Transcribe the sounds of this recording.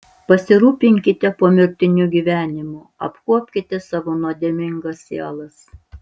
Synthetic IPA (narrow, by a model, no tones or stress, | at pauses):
pɐsʲɪɾuːpʲɪŋʲkʲɪt̪ʲɛpuɔmʲɪɾʲt̪ʲɪnʲʊɡʲiːʋʲæːnʲɪmʊ | ɐ̰pkuɔpʲkʲɪt̪ʲɛsɑːʋonuɔd̪ʲɛːmʲɪŋɡɐsʲeːlˠɐs